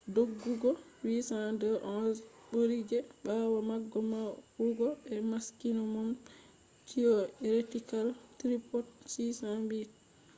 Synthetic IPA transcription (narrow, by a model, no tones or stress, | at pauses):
doɡːuɡɔwisadəʔɔɓoɾid͡ʒɛɓawamaɡːɔmawhuɡɔɛmaskinɔmɔm | tʰijɔɾetikaltɾipɔt̚sisambi